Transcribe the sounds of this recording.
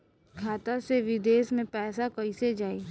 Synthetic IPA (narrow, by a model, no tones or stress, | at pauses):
kʰaːt̪aseʋɪd̪eːʃmẽpɛːsakɐised͡ʒaːi